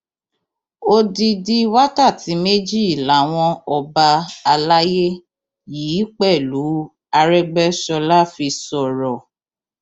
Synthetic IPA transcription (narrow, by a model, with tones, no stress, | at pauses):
o˦di˧di˦wa˦ka˦˨ti˨˦me˦d͡ʒi˦˨i˨la˨˦w̃ɔ̃˧ɔ˧ba˧a˧la˦je˦ | jiː˨˦k͡pɛ˦˨lu˨˦ | a˧ɾɛ˦ɡ͡bɛ˦ʃɔ˧la˦fi˧sɔ˨ɾɔ˨